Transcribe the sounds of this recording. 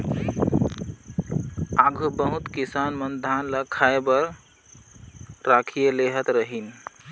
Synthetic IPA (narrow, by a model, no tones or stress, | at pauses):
aɡʱubəɦut̪kisanmənd̪ʱanləkʰaebəɾ | ɾakʰijeleɦət̪ɾəɦin